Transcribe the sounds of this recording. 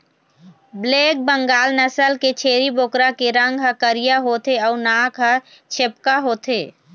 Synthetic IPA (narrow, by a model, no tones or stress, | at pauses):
bleːk̚bəŋɡaːlnəsəlket͡ʃʰeːɾiboːkɾakeɾə̃ŋɡɦəkəɾijaɦoːt̪eɔːnaːkɦə | t͡ʃʰep̚kaɦoːt̪ʰeː